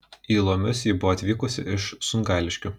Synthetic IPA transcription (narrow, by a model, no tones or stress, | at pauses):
iːlˠoːmʲʊsjɪbʊʋɔːɐt̪ʲʋʲiːkʊsʲɪ̰ʔɪʃsʊnɡɑːlʲɪʃʲkʲʊ